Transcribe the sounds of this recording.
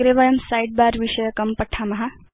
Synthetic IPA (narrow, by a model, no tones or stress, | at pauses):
ɾeʋɐjəmsajɖ̚baɾʋiɕəjəkɐmpəʈʰːamɐɦa